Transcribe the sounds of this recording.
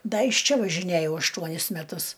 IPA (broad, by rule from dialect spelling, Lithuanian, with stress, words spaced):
ˈdɐ ɪʃ ˈt͡ʃʲɛ ʋɐʒʲɪˈnʲæjɛʊ ɐʃˈtuɔnʲɪs mʲɛˈtʊs